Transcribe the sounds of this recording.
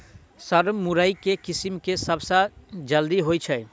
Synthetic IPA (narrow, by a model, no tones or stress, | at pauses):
səɾmuɾəikekisimkesəbsad͡ʒəld̪iɦojt͡ʃʰɛ